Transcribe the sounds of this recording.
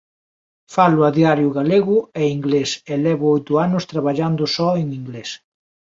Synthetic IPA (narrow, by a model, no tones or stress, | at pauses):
falʊaðiaɾjʊɣaleɣʊɛiŋɡlesɛlɛβʊojt̪ʊanʊst̪ɾaβaʎand̪ʊsɔeŋiŋɡles